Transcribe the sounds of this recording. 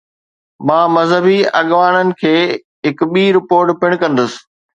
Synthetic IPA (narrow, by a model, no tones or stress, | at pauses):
mãːmɐzɦəbiɐɠʋaːɽənɪ̆kʰeː | ɦɪkɓiːɾɪpoːɾʈpɪɽ̃kɐ̃nd̪əsɪ̥̆